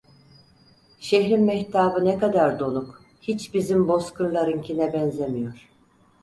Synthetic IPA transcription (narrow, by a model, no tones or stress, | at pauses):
ʃeɦɾinmɛçt̪ʰaːbɯnɛkad̪aɾd̪o̞nuk | hit͡ʃbizimbo̞skʰunlˠaɾɯŋcʰinɛbɛnzemijo̞ɾ̥